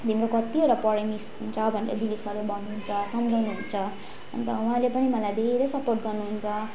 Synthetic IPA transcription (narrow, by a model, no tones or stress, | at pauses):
d̪ʱimɾokʌt̪ioɾʌpʌɽemisɦunt͡sʰʌbʱʌneɾʌ̰d̪ilipsʌɾubʱʌnːuɦunt͡sʰʌsʌmd͡zʱʌwnuɦunt͡sʰʌ | ʌ̰nt̪ʌũɦãlepʌnimʌlajd̪ʱeɾʌjsʌporʈ̚ɡʌrnuɦunt͡sʰʌ